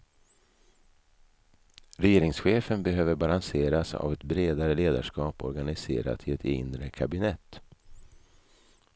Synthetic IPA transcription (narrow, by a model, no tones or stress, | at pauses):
ɾɛjeːɾɪŋsɧeːfənbɛɦøːvəɾbalanseːɾasa̰vɛt̪bɾeːd̪aɾəleːd̪a̰ʂkɑːpɔ̰ɾɡanɪsḛːɾa̰t̪ʰɪlɛt̪ɪ̰nɾəkʰabɪnɛt̪ː